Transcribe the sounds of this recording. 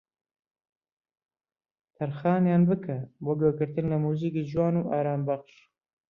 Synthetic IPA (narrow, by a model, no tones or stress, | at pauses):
t̪ʰɐɾxɑːnjɑːnbɨkʰɐboːɡoːɡɨɾt̪ɨnlɐmuːziːkiːd͡ʒwɑːnuːʔɑːɾɑːmbɐχʃ